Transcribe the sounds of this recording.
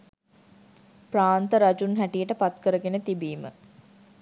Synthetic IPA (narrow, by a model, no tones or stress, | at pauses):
praːnt̪əɾad͡ʒunɦæʈijəʈəpat̪kəɾəɡenət̪ibiːmə̰